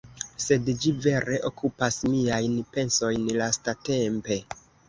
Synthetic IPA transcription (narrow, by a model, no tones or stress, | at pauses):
se̞dd͡ʒive̞ɾe̞ʔo̞kʰupasmiajnpe̞nso̞jnlastate̞mpe̞